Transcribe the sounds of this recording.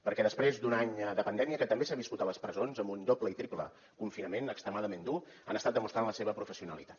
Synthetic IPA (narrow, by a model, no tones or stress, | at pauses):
pəɾkɛðəspɾezd̪unaɲd̪əpənd̪ɛmiəkət̪əmbesaβiskut̪ələspɾəzonzəmbund̪opləit̪ɾiplə̰ | kuɱfinəmenəkst̪ɾəmaðəmend̪u | a̰nəst̪at̪̚əmust̪ɾanləseβəpɾufəsiunə̰lit̪ḁt̪